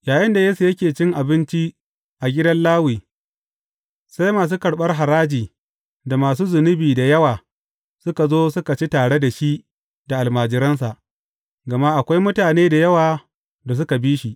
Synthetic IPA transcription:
jaː˨jɪ˦nda˨jeː˦su˨jɐ˦kʲeː˨t͡ʃɪ˦ŋʔa˨bɪ˦nt͡ʃi˦ | ʔa˨ɡʲɪ˦dɐ˦nlaː˦wiː˨ | sa˦jmaː˨s̬uː˦kɐ˨ɽɓɐ˦rɦa˨ɾaː˦d͡ʒiː˨ | da˨maː˨s̬uː˦zʊ˨nʊ˦biː˨da˨jɐ˦waː˨ | sʊ˦ka˨zoː˦sʊ˦ka˨t͡ʃi˦taː˨ɽe˦da˨ʃi˦ʔ | da˨ʔa˨lmaː˨d͡ʒɪ˨˦ɾɐ˦ns̬a˨ʔ | ɡɐ˨ma˦ʔa˨kʷa˦jmʊ˦taː˨neː˦da˨jɐ˦waː˨ | da˨s̬ʊ˦ka˨biː˦ʃi˨ʔ

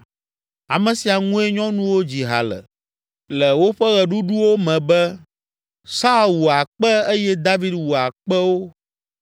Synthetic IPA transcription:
a˨mɛ̃˨si˨a˨ŋũ˦e˦ɲɔ̃˦nũ˦wo˦d͡ʑi˨ɦa̰˨lɛ̰˨ | lɛ˨wo˦ɸɛ˦ɣɛ˨ɖu˦ɖu˦wo˦mɛ̃˨bɛ˦ | sa˦wu˨a˨k͡pɛ˦e˦jɛ˦d̪a˦vi˦d̪wu˨a˨k͡pɛ˦wo˦

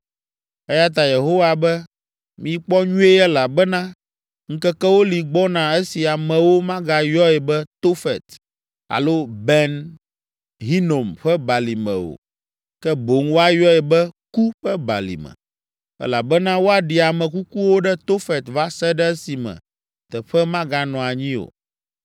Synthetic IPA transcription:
ɛ˦ja˦t̪̬a˨je˨ɦo˦wa˨bɛ˦ | mĩ˨k͡pɔ˦ɲũ˦e˦ɛ˦la˨bɛ˦nã˦ | ŋ̩˦kɛ˦kɛ˦wo˦li˨ɡ͡bɔ˦nã˨ɛ˦si˨a˨mɛ̃˨wo˦mã˦ɡa˨jɔ˦ɛ˨bɛ˦t̪o˦fɛ˨t̪ | a̰˨lo˦bɛ˦n | ɦi˦no˨mɸɛ˦ba˨li˨mɛ̰̃˨o̰˨ | kɛ˦bo˨ŋwo˦a˦jɔ˦ɛ˨bɛ˦ku˦ɸɛ˦ba̰˨lḭ˨mɛ̰̃˨ | ɛ̰˦la˨bɛ˦nã˦wo˦a˨ɖi˨a˨mɛ̃˨ku˦ku˦wo˦ɖɛ˦t̪o˦fɛ˨t̪va˦sɛ˦ɖɛ˦ɛ˦si˨mɛ̰̃˨ | t̪ɛ˨ɸɛ˦mã˦ɡa˨nɔ̃˨a˨ɲĩ˦o̰˨

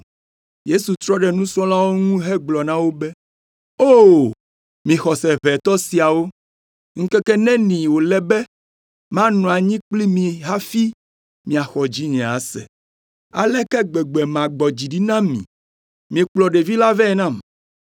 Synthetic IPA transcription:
je˦su˨t̪ɾɔ˦ɖɛ˨nũ˦sɔ̃˦la˦wo˦ŋũ˦ɦɛ˦ɡ͡blɔ˨nã˦wo˦bɛ˦ | o˦˨ | mĩ˨xɔ˨sɛ˨βɛ˨t̪ɔ˦si˨a˨wo˦ | ŋ̩˦kɛ˦kɛ˦nɛ̃˦nĩ˨wo˨lɛ˦bɛ˦ | mã˦nɔ̃˨a˨ɲĩ˦k͡pli˦mĩ˨ɦa˦fi˦ | mĩ˨a˨xɔ˨d͡ʑi˦ɲɛ̃˨a̰˨˦sɛ̰˨ | a̰˨lɛ˦kɛ˦ɡ͡bɛ˨ɡ͡bɛ˨mã˨ɡ͡bɔ˨d͡ʑi˨ɖi˦nã˦mḭ̃˨ | mĩ˨k͡plɔ˨ɖe˨vi˦la˦vɛ˦˨nã˦˨m

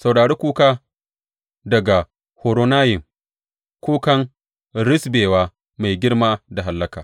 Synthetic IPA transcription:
sa˨wɽaː˨ɽeː˦kʷuː˦kaː˦ | dɐ˨ɡa˨ | hoː˨ɾo˨naː˦jɪ˨m | kʷoː˦kɐ˦ŋ | ɾɪ˦sbeː˨waː˦ | ma˨jɡʲɪ˦rmaː˦da˨ɦa˨lːɐ˦kaː˨

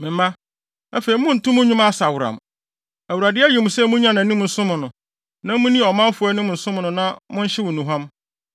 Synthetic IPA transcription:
mɪ̃˨m˦mã˦ | æ˦fe˨i˨mʊ̃˦n̩˨tʊ̃˦mʊ̃˦ɲũ˦ma˦˨sa˨wʊ˨ɾã̰˨m | æ˨wu˨ɾa˨dɪ˦æ˦ji˨m̩̃˨sɛ˦mʊ̃˦ɲã˦nã˨nĩ˦m˨n̩˨sʊ̃˦mʊ̃˨nʊ̃˨ | nã˦mʊ̃˦nĩ˦˨ɔ˨mã˦fʊ˨ɛ˦nʊ̃˦m˨n̩˨sʊ̃˦mʊ̃˨nʊ̃˨nã˦mʊ̃˦ɲ̩˦ɕɪ˦wʊ̃˨nũ˨ɦã˦m

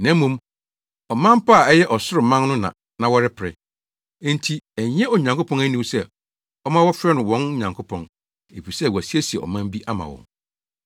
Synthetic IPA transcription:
næ̃˨˦m˦mːũ˨m | ɔ˨mã˦m˦pa˦a˨ɛ˦jɛ˦ʔɔ˨sʊ˦ɾɪ˨mã˦n˦nʊ̃˦nã̰˨ | nã˨wɔ˦ɾɪ˦pʰɪ˨ɾɪ̰̃˨˦ | n̩tʰi˦æ˨ɲ˦ɛ̃˦ɔ˨ɲ˨ã˨ŋko˦pʰɔ̃˦næ˦nĩ˦sɛ˦ | ɔ˦mã˦wɔ˦fɾɛ˦nʊ̃˨wɔ̃˨˦n˦ɲã˨ŋkʰo˦pʰɔ̃˨n | e˨pi˨sɛ˦˨wæ˨si˦e˦si˨ɛ˨ɔ̰˨mã˦m˦bi˦ʔa˦mã̰˨wɔ̰̃˨n

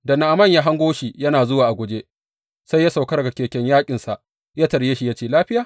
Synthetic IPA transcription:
dɐ˨na˨ʔa˨mɐ˦˨ɲjaː˦ɦa˦ŋɡʷoː˦ʃi˨jɐ˦naː˨zʊ˦waː˨ʔa˨ɡʷʊ˨d͡ʒe˦ | sa˦jːa˦sa˨wkɐ˦ɾɡa˨kʲeː˨kʲɛ˦ɲjaː˦kʲʼɪ˨nsa˨ʔ | jaː˦tɐ˨ɾjeː˦ʃi˦ja˦t͡ʃeː˦˨laː˦ɸɪ˦jaː˨

